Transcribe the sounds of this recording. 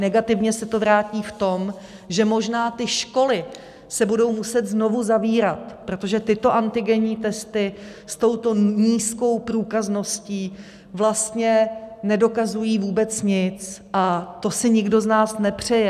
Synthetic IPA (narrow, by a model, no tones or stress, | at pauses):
nɛɡat̪ɪvɲɛsɛt̪o̞vɾaːciːft̪o̞m | ʒɛmo̞ʒnaːt̪ɪʃko̞lɪ | sɛbudo̞wmusɛt̪zno̞vuzaviːɾat̪pɾo̞t̪o̞ʒɛt̪ɪt̪o̞ʔant̪ɪɡɛɲiːt̪ɛst̪ɪ | st̪o̞wt̪o̞ɲiːsko̞wpɾuːkazno̞sciː | vlast̪ɲɛnɛdo̞kazujiːvuːbɛt͡sɲɪt͡sʔat̪o̞sɪɲɪɡdo̞znaːsnɛpr̝̥ɛjɛ